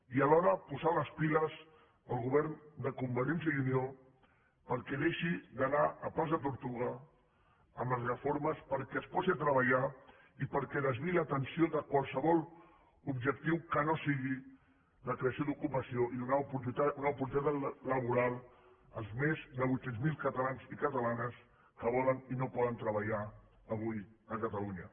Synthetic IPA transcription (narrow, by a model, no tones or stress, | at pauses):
iəlɔɾəpuzaləspiləz | əlˠɣuβɛɾnd̪əkumbəɾensəðunio | pəɾkɛðeʃid̪ənaəpazðət̪uɾt̪uɣə | əmləzrəfoɾməspəɾkɛəspɔsiat̪ɾəβəʎa | ipəɾkɛðəzβiləːt̪ənsioðəkwalˠsəβɔlˠ | ubʒək̚t̪iwkənosiɣi | ləkɾeəsijod̪ukupəsijoʔiðunapuuunaupuɾt̪it̪at̪ləβ̞uɾalˠ | əlˠzmezðəβujsɛnzmilˠkət̪əlanzikət̪əlanəs | kəβɔləninopɔðənt̪ɾəβəʎa | əβ̞ujəkət̪əluɲə